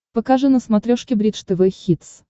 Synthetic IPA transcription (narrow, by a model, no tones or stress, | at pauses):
pɐkaʐɨnəsmɐt̪ɾʲoʂkʲɪbɾʲit̪ʂt̪ɨvɛxʲit̪s